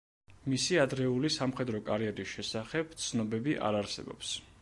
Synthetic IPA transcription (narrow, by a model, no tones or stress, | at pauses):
misiad̪ɾɛulisamχɛd̪ɾɔkʼaɾiɛɾisʃɛsaχɛb̥t̪sʰnɔbɛbiʔa̰ɾaɾsɛ̰bɔ̰ps